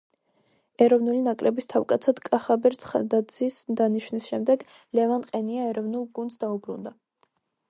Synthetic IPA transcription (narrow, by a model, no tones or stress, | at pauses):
ɛɾɔvnulinakʼɾɛbist̪ʰavkʼat̪sʰad̪kʼaχabɛɾt̪sʰχad̪azisd̪aniʃwnisʃɛmd̪ɛɡ | lɛvanqʼɛniaɛɾɔvnulˠɡund̪sd̪aubɾṵnd̪a